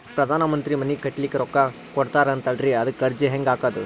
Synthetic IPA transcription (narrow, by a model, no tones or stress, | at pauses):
pɾɐd̪ʱaːnɐmɐnt̪ɾimɐnːikɐʈːlikːeɾɔkːɐ | kɔɽt̪aːɾɐnt̪ɐɖɾiɐd̪ukːɐɾd͡ʒeɦeŋɡaːkaːd̪u